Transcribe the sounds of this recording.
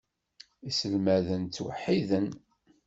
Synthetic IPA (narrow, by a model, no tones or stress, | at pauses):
isəlmæðənt͡sːwə̰ħːiðən